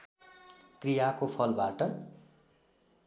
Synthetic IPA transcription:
krijakopʰʌlbaʈʌ

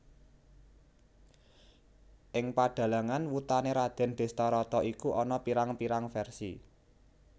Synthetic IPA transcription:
ʔɪŋpaɖ̥a̤laŋanwut̪aneɾad̪̥ɛ̤nɖ̪̥e̤st̪ɔɾɔt̪ɔʔikuʔɔnɔpiɾaŋpiɾaŋfɛrsḭ

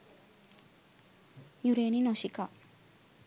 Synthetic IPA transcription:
jɯɾeninoɕika

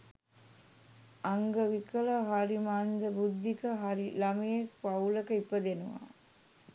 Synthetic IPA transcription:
aŋɡəʋikələɦaɾimaːnd̪əbud̪ʱːikəɦaɾilamijekpauləkəipəd̪enuʋa̰ː

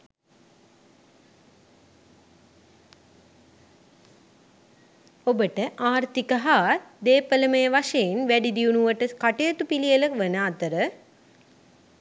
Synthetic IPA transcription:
obəʈəʔaːɾt̪ikəɦaːd̪eːpələməjəʋaʂeinʋæɖid̪iunuʋəʈəkaʈejət̪upilijələʋənaːt̪əɾə

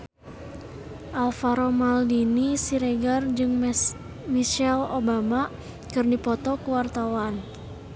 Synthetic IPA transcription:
ʔalfaɾomaldinisiɾeɡard͡ʒɨŋ | miʃɛlobama | kɨrdipɔt̪ɔkəwart̪awan

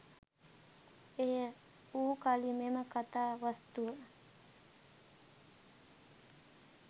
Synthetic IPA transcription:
ejə | uːkalimeməkat̪aːʋast̪uʋə

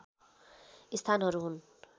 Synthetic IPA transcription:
ist̪ʰanɦʌɾuɦun

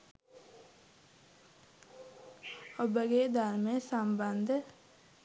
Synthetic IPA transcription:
obəɡeːd̪aɾmesamband̪ə

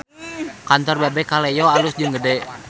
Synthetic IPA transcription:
kant̪ɔrbabɛkalɛjɔalʊsd͡ʒɨŋɡədɛ

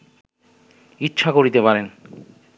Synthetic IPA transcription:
itːʃʰakoɾit̪epaɾen

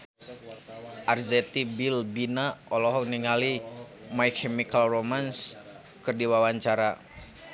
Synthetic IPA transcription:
ʔarzɛt̪ibilbinaʔɔlɔɦɔkniŋalimajkʰɛmikalromans | kɨrdiwawaɲt͡ʃaɾa

